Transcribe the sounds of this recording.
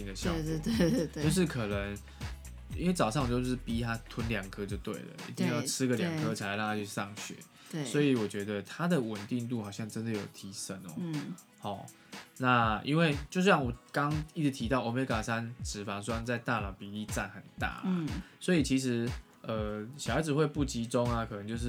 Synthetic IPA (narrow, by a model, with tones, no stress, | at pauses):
i˥˧ŋd̪ə˨ɕjɑ˥˨˧t͡ɕo˥˧ʊʂ̬ɻ̩˥˩kʰɤ˨˩nə˨˦ŋ | i˦nwe˥˩ɪt͡sɑ˨˩ʊʂɑ˥˩ŋ˨t͡ɕjo˥˧ʊʂɻ̩˥˩pi˦˥t̪ʰa˦t̪ʰwə˦nljɑ˨˩ŋkʰɤ˥t͡ɕjo˥˧ʊt̪wḛ˥˩ɪlə̰˩ʔḭ˧˥t̪i˥˧ŋjɑ˥˩ʊʈ͡ʂʰɻ̩˥ɡə˨lja̰˨ŋkʰɤ˦t͡ɕʰi˨˩la˨˩˦lɑ˥˧ŋt̪ʰa˥t͡ɕʰy˥˧sɑ˥˨˩ŋɕɥɛ̰˨˩˦ | swɔ˧˥i˨wɔ˨˩t͡ɕɥɛ˧˦˥d̪ə˨t̪ʰa˥d̪ə˨wə˨˩nt̪i˥˧ŋlu˥˩xɑ˨˩ɕjɑ˥˩ŋʈ͡ʂə˦˥nd̪ə˨jo˨˩ʊt̪ʰi˧˥ʂə˦˥nɔ̰˨ | hɔ˥˩ | na˥˨ḭ˦nwe˥˧ɪt͡ɕjo˥˧ʊsɑ˥˩ŋwɔ˨˩kɑ˦˥ŋi˥˩t͡sɨ˧˥t̪ʰi˧˥t̪ɑ˥˩ʊo˨˩me˨˥ɪka˨˩sa˦nʈ͡ʂɻ̩˨˩fa˧˥ŋswa˥nt͡sa˥˧ɪt̪a˥˩lɑ˨˩ʊpi˨˥li˥˧t͡sa˥˩nxə˨˩nt̪a̰˥˩a̰˩swɔ˧˥i˨˩t͡ɕʰi˧˥ʂ̬ɻ̩˧˦ | ə˩ɕjʊha˧˥ɪd͡z̩˨˩xwe˥˧ɪpu˥˩t͡ɕi˧˥ʈ͡ʂo˦˥ŋa˨kʰɤ˨˩nə˧˦ŋt͡ɕjo˥˧ʊʂ̬̩˥˩